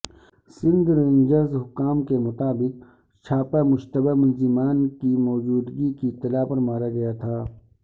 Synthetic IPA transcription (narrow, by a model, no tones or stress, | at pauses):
sɪ̃nd̪ɾɐ̃ŋd͡ʒəɾzɦʊkːaːmkemʊt̪aːbɪq̚ | t͡ʃʰaːpamʊʃt̪əbamʊnzɪmaːnkimɔːd͡ʒuːd̪ɡikit̪ɪlaːpɐɾmaːɾaɡɐjat̪ʰaː